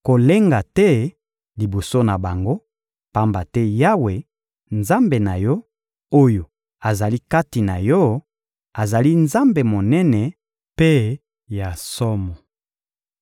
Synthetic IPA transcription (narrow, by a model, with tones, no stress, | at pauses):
ko˨le˦ŋɡa˨tɛ˦ | li˨bo˨so˦na˨ba˨ŋɡo˦ | pa˦mba˨tɛ˦ja˦we˨ | nza˦mbe˨na˨jɔ˦ | o˦jo˨ | a˨za˨li˦ka˦ti˨na˨jɔ˦ | a˨za˨li˦nza˦mbe˨mo˨nɛ˦nɛ˨ | pe˦ | ja˨sɔ˦mɔ˨